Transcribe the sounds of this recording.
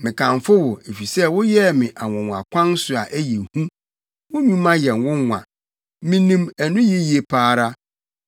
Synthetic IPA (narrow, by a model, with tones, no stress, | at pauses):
mɪ̃˨kʰã˨ɱfʊ˦wʊ˨e˨fi˨sɛ˦wʊ˦jɛ˦mɪ̃˨ʔa˨wɔ̃˨ŋ˨a̰˨kʷʰã˦n˦sʊ˨a˨ʔæ˦je˨hũ˦ | wʊ̃˦ɲũ˦mã˦jɛ̃˨nwʊ̃˦ŋːʷã̰˨ | mĩ˦nĩ˦mæ˨nʊ̃˦ji˦ji˨e˨pʰaː˦˨ɾa˦